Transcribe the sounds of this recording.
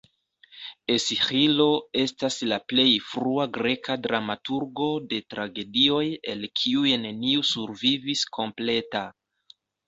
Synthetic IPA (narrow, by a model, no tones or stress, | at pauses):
e̞sihilo̞e̞staslaple̞jfɾuaɡɾe̞kadɾamatuɾɡo̞de̞tɾaɡe̞dio̞je̞lkʰiujne̞niusuɾviviskʰo̞mple̞ta